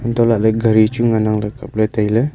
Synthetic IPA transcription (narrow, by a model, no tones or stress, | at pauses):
ɔnt̪ɔlaʔləɡaɾit͡ʃuŋanaŋləkap̚lət̪ailə